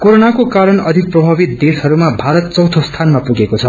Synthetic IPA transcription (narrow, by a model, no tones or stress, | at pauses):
koɾonakokaɾʌnʌd̪ʱik̚prʌbʱabit̪̚d̪esʌɾumabʱaɾʌt̪̚t͡sʌwt̪ʰost̪ʰanmapuɡekot͡sʰʌ